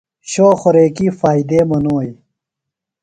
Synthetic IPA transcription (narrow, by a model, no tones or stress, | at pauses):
ɕoːxoɾeːkiːfaːid̪eːmɐnoːi